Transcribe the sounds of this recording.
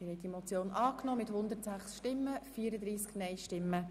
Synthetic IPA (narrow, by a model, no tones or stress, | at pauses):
ɪhɛɪdimɔt͡sjoːnʔɑːknɔːmɪthʊnd̪əɾtsæχsʃtɪmːəfiːəɾəd̪ɾiːsknɛɪʃtɪmːə